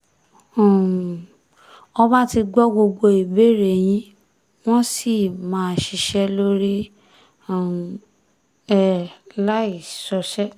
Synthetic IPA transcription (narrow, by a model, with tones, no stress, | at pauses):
ɔ˧ba˦ti˧ɡ͡bɔ˦ɡ͡bo˧ɡ͡bo˧i˨be˦˨ɾe˨j̃ĩ˦ | w̃ɔ̃˦si˦˨mãː˨˦˧ʃi˧ʃɛ˧lo˦ɾi˦˨ | ɛ˦˨la˦i˨sɔ˧ʃɛ˦